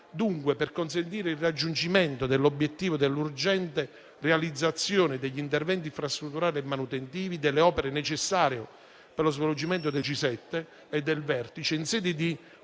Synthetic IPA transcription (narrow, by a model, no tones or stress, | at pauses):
d̪uŋkweperkonsent̪iːɾeilrad͡ʒːund͡ʒimɛnt̪od̪elːobːjet̪ːiːvod̪elːurd͡ʒɛnt̪e | realid̪zːat̪sːjoːnɪd̪eʎːint̪ervɛnt̪̬iɱfɾast̪ɾut̪ːuɾaːliɛmːanut̪ent̪iːvid̪elːeɔːpeɾenet͡ʃesːaːɾjo | pelozvelod͡ʒimɛnt̪̬od̪et͡ʃisɛt̪ːeː | d̪ːelvɛrt̪it͡ʃeinsɛːd̪id̪i